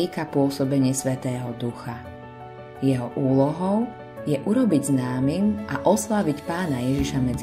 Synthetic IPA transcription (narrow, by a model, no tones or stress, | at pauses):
ikapʊɔsɔbɛɲɪɛsʋɛt̪ɛːɦɔd̪uxa | jɛɦɔʔuːlɔɦɔʊ | jɛʔuɾɔbiɟznaːmimʔaʔɔslaʋicpaːnajɛʒiʃamɛd͡z